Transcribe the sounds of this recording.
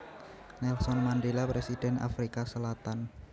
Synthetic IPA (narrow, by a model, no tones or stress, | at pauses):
nɛlsɔnmanɖelapɾesid̥ɛ̤na̰fɾikasəlat̪an